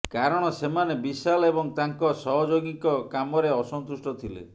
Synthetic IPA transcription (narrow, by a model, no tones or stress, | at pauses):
kaɾɔɽ̃ɔsemanebisalɔebɔŋt̪aŋkɔsɔɦɔd͡ʒoɡikɔkamɔɾeɔsɔnt̪usʈɔt̪ʰilḛ